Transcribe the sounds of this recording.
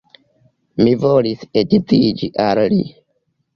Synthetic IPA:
mivolisedit͡sid͡ʒiʔallḭ

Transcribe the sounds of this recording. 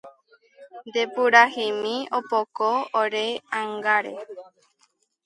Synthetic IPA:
nd̪epuɾahimĩopokoːɾeãŋɡaɾḛ

